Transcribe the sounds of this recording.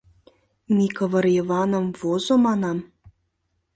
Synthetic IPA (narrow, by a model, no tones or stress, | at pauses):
mikovɤ̆ɾivɑnŏmvozomɑnɑm